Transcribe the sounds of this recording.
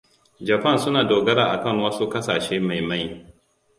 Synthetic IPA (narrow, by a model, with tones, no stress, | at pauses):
d͡ʒɐ˨pɐ˦˨nsʊ˦naː˨doː˨ɡɐ˦ɾaː˨ʔa˨kɐ˦˨ŋwɐ˦su˦kɐ˦saː˨ʃeː˦ma˨jma˦j